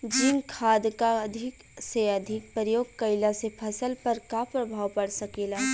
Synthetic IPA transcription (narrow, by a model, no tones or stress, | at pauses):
d͡ʒiːnkʰaːd̪kaɐd̪ʱɪk | seɐd̪ʱɪk̚pɾəjoːɡ̚kɐɪlasepʰɐsəlpɐɾkapɾɐbʱaːʋpɐɽsɐkeːlaː